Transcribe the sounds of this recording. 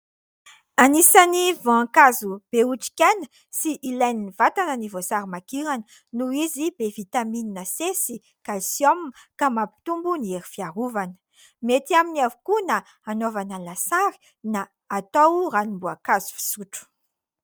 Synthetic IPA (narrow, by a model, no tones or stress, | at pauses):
anisanivoaŋkazub̥euʈ͡ʂi̥kʲajnə̥ | siʔilajniniv̥at̪anənivosaɾimakiɾanə | nuizibevit̪amininəsesi | kalisjomkamapi̥t̪umbunieɾifiaɾuvanə̥ | met̪iaminiavukuna | anovanəlasaɾi̥ | naː | t̪owranimbuakazu̥fi̥suʈ͡ʂu̥